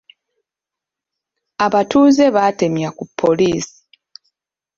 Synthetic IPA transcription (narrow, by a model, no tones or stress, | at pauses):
aβatuːzeβate̞mjakupʰːoliːsi̥